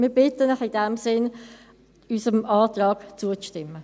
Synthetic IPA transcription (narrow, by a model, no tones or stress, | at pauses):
mɪːɐbɪtənəχɪd̥ɛmsɪn | yːsəmɑːtʁɑːɡ̥t͡suət͡sʃtɪmːə